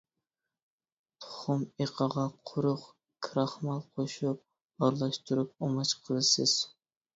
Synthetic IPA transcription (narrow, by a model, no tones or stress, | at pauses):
t̪ʰʊ̥χʊmeqʰəʁɑqʰʊɾʊq | kʰɾɑχmɑlˠqʰoʃup̚ | ɑɾlˠɑʃt̪ʰuɾup̚omɑt͡ʃqʰəlˠɨsɨz̥